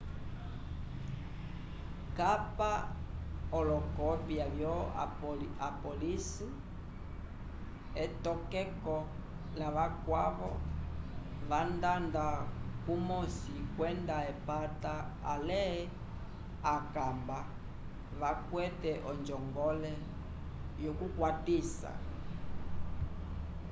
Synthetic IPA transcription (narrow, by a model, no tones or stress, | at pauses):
kapa | ɔlɔkɔpjaβjɔ | apɔlisi | ɛtɔkɛkɔ | laβakwaβɔ̰ | βandandakumɔsikwɛndaɛpataːlɛ | akamba | βakwɛtɛʔɔnd͡ʒɔŋɡɔlɛ | jɔkukwatisa̰